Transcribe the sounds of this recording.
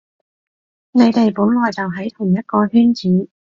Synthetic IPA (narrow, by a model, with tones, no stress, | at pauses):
ne˨˧jt̪e˨jpuː˨˥nlɔː˨jt͡sɐ˨wɦɐ˨˥jt̪ʰʊ˨˩ŋjɐ˥t̚kɔː˧hyː˥nt͡siː˨˥